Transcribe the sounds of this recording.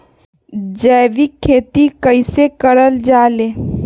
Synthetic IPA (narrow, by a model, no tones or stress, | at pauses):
d͡ʒəːʋikʰːeːt̪ikəɪsekəɾəld͡ʒaːleː